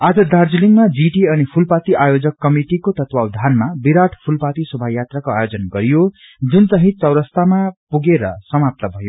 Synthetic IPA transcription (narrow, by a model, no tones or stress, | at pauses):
ad͡zʌd̪ard͡zuliŋɡmad͡ziʈiʌnipʰulpat̪iʔajod͡zʌkːʌmiʈikot̪ʌt̪wawd̪ʱanmabiɾaʈʰpʰulpat̪isʌbʱajat̪rakoajod͡zʌnɡʌɾijo | d͡zunt͡sʌɦĩt͡sʌwɾʌst̪amapuɡeɾʌ̰sʌmap̚t̪ʌbʱʌjo